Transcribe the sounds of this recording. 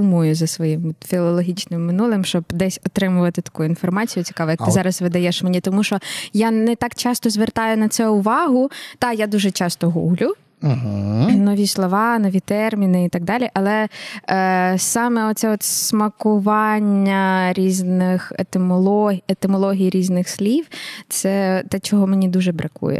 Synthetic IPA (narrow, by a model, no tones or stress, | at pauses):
umujʊzɐsʋɔjimɔt̪fʲilˠɔlˠɔɦʲit͡ʃnɪmːɪnulˠɪmʃt͡ʃɔbd̪ɛsʲɔt̪ɾɪmʊʋɐt̪ɪt̪ɐ̥kuin̪fɔrmɑt͡sʲijʊt͡sʲi̥kɑʋɛjɐkt̪ɪzɑɾɐzʋɪd̪ɐjɛʃmenʲit̪ɔmuʃɔjanɛt̪ɑkt͡ʃɑst̪ɔzʋert̪ɑjʊnɐt̪sɛʊʋɑɦʊt̪ɑjad̪uʒɛt͡ʃɑst̪ɔɦṵɦlʲʊ | ɦ̩nɔʋʲislˠɔʋɑnɔʋʲit̪ɛrmʲinɪit̪ɑɡ̚d̪ɑlʲiʔɐlˠɛ | sɑmɛɔt̪sɛɔt̪ssmɐkʊʋɑnʲːɐɾʲiznɪxet̪ɪmɔlˠɔet̪ɪmɔlˠɔɦʲijɾʲiznɪxsʲlʲiwt̪sɛt̪ɛt͡ʃɔɦɔmenʲid̪uʒɛbɾɐkṵjɛ̰